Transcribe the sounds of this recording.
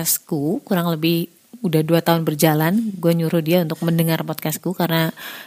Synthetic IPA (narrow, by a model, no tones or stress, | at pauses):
askukuɾaŋləbɪh | udahduat̪aʊnbərd͡ʒalanɡuaɲuɾʊhdiaunt̪ʊk̚məndəŋarpɔt̪̚kaskukarna